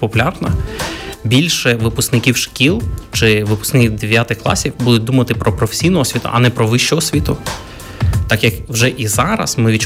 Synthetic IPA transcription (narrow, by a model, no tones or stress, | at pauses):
pɔpʊlʲɑrnɐ | bʲilʲʃɛʋɪpʊsknɪkʲiwʃkʲilˠt͡ʃɪʋɪpʊ̥sknɪkʲiwd̪eʋʲjat̪ɪxklˠɑ̰sʲiwbud̪ʊt̚ʲd̪umɐt̪ɪpɾɔpɾɔfe̥sʲijnɔɦɔsʲʋʲit̪ʊ̰ʔɐnɛpɾɔʋɪʃt͡ʃɔɦɔsʲʋʲit̪ʊ | t̪ɑkjɐkwʒɛʔizɑɾɐ̰smɪʋʲit͡ʃ